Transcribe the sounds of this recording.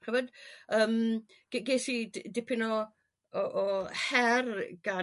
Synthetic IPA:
χəvɔdəːm | ɡ̥ɡeːsiddɪpʰɪnɔ | ɔʔːhɛrɡ̥a

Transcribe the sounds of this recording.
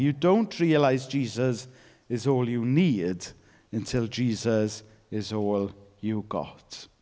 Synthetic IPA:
jədõʊ̃nʔɹiəlaɪzd͡ʒiːzəz | ɪzɔːljəniːd | ə̃ntʰɪlˠd͡ʒiːzəz | ɪzɔːljəɡɔ̰t

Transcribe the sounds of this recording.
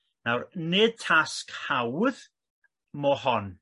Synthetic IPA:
nawrneːd̚tʰaskhawð | mɔhɔn

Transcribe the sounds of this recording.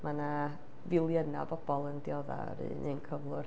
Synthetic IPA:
mana | vɪlˠjəna̰bɔb̥ɔlˠəndjɔða̰ɾḭnʔɨnkʰəvlˠʊr

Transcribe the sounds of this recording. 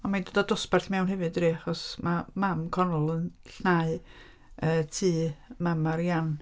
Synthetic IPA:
ɔmadədadʊspɛrɬmɛwnɦɛvɨdriːaχɔsmamamkʰɔnʊlˠənɬnaɨ | əːtʰiːmamaɾjan

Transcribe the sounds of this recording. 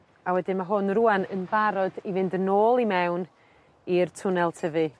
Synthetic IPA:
awɛdɪnmaɦʊnruanə̰nvaɾɔdivɪndənoːlˠimɛwn | irtʰʊnɛlˠtʰəvɨ

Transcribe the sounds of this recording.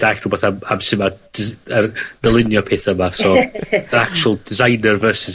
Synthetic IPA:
d̥akrʊbɔθamamsɪmadɪzərd̥əlˠɪnjɔpʰeːθəmasɔəɾak̚t͡ʃuəlˠdɪzajnərvɜːsɪs

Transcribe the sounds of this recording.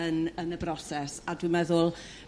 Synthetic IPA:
ənənəbrɔsɛsadwimɛðʊlˠ

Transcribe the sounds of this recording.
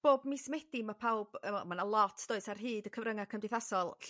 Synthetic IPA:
b̥oːbmɪsmɛdimapʰawb̥əmanəlˠɔtʰd̥oːɨsarɦɨːdəkʰəvrəŋakʰəmdɪjθasɔlˠɬ

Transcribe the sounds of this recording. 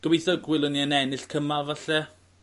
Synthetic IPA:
d̥ɔbiθəɡwɪlˠʊniənɛnɪɬkʰəmalˠvaɬɛ

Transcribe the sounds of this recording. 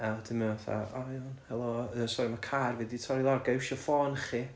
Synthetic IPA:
adəməθa̰aɔnhɛlˠɔəsɔɾimakʰarviditʰɔɾilˠarɡewʃɔfɔːnχi

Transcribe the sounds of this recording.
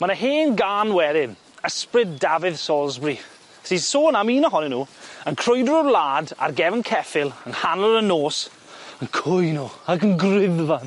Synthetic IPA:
mənəɦeːnɡaːnwɛɾɪn | əsprɪddavɪð̥sɔlˠzbri | sisoːnamiːnəɦɔnɛnuːənkʰr̥ʊjdəɾərlˠaːda̰rɡɛvənkʰɛfɪlˠənhanəɾənoːs | ənkʰʊjnoːaɡənɡrɪðvan

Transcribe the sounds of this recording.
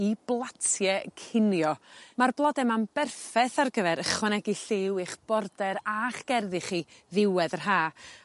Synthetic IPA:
iblˠatʰjɛkʰɪnjɔmarblˠɔdɛmanbɛrfɛθarɡəvɛɾəχwɛnɛɡiɬɪwɪχb̥ɔrdɛɾaχɡ̥ɛrðɪχiːðɪwɛdərɦaː

